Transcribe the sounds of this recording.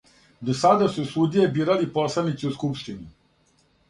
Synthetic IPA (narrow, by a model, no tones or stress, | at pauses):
d̪osad̪asusud̪ijebiːɾaliposlˠanit̪siuskupʃt̪ini